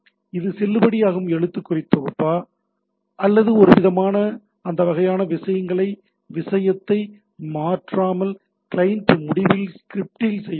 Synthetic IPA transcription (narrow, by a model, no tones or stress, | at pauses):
ɪðɯsɛlːɯbɐɽɪjaːɣɯmɛɻɯt̪ːɯkːʊrɪt̪ːɔɣɯpːaː | ʔɐlːɐðɯɔɾɯʋɪðɐmaːnɐ | ɐnd̪ɐʋɐɣɐjaːnɐʋɪsɐjɐŋɡɐɭɐɪ | ʋɪsɐjɐt̪ːɐɪ | maːʈraːmɐl | kɪlɐjɪnʈmʊɽɪʋɪlskɪɾɪp̚ʈɪlsɛjː